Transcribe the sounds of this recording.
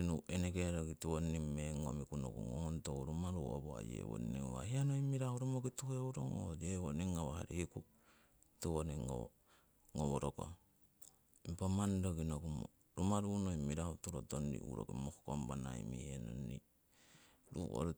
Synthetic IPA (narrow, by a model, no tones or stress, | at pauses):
inuʔenekeɾokituwonimːeŋomikuno̰kuŋontouɾumaɾuo̰boa̰jḛwo̰niwa̰hianoimiɾahuɾumokituheuɾoŋod͡ʒewoniŋawahaɾihiku | tuwoniŋo | ŋoboɾoko̰ | mpamandokinokumo | ɾumaɾunoimiɾahutuɾotondḭwṵɾo̰kimoxkombanaimihenonːi | ɾṵwo̰ɾu